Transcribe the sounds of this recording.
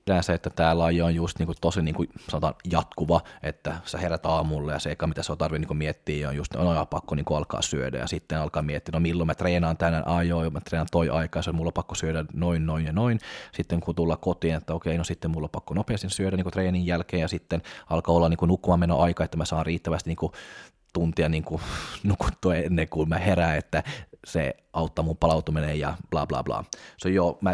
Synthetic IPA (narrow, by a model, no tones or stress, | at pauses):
lænseet̪ːæt̪æːlːɑjoonjust̪niːkut̪osiniːŋkusɑnot̪ɑ̰ːnjɑt̪kuʋɑet̪ːæseheræt̪ɑːmulːejɑ̰seikːɑːmit̪æseont̪ɑrʋiniŋkumiet̪ːiːjjɑo̰njust̪nojɑpɑkːoniːŋkuɑlkɑ̰ːsyø̰dæ̰jɑ̰sit̪ːenɑlkɑːmiet̪ːiːnomilːomæt̪reːnɑːnt̪ænænʔɑjoːjɑmæt̪reːnɑnt̪oiʔɑikɑːseomulːopɑkːosyødænoinnoinjɑnoinsit̪ːeŋkut̪ulːɑkot̪iːnet̪ːæokeinosit̪ːemmulːopɑkːonopeɑst̪isyødæniːkut̪reːnijjælkeːjɑsit̪ːenɑlkɑolːɑniŋkunukːumɑmːeno̰ʔɑikɑet̪ːæmæsɑːnriːt̪ːæʋæst̪iniːŋku | t̪unt̪iɑniːŋkunuku̥t̪ːoɑenːeŋkummæheɾæːnet̪ːæsḛ | ɑut̪ːɑmumpɑlɑut̪uminejjɑb̥lɑ̰ːblɑ̰ːblɑ̰ːseojomæ